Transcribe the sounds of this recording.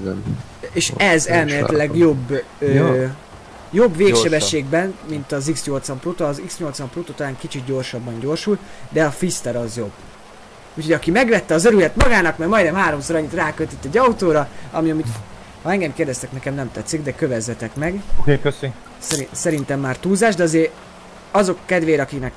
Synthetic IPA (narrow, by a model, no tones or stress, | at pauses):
eːʃɛzɛlmeːlɛ̰t̪lɛɡjo̞bː | øː | jo̞bːveːkʃɛbɛʃːeːɡbɛnmint̪ɒziksɲo̞lt̪sɒmproːt̪ːziksɲo̞lt̪sʋɒmproːt̪oːt̪ɒlaːŋkit͡ʃit̪ɟo̞rʃɒbːɒɲɟo̞rʃuld̪ɛɒfist̪ɛɾɒzjo̞bː | uːchoɒkimɛɡʋɛt̪ːɛɒzøɾylɛt̪mɒɡaːnɒkmɛrmɒjd̪ɛmɦaːɾo̞msoɾɒɲːit̪raːkøt̪it̪ːɛɟːɒut̪oːɾɒɒ̰miɒmit̪ | hɒɛŋɡɛmkeːrd̪ɛst̪ɛknɛkɛmnɛmt̪ɛt̪sːiɡd̪ɛkø̞vɛzːɛt̪ɛkmɛɡoeø | sɛɾisɛɾint̪ɛmːaːrt̪uːzaːʒd̪ɛɒzeːɾ | ɒzo̞kːɛd̪veːɾɒkiknɛk